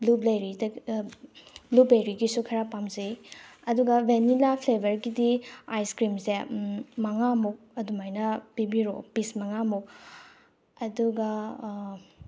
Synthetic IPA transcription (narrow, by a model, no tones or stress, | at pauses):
lublɐjɾi | blublejɾiɡisukʰɐɾapamzejɐduɡɐvenilapʰlebʱɐɾɡidiajskɾimsemɐŋamuk̚ɐdumajnɐpibiɾo̰pismɐŋamuk̚ | ɐduɡɐ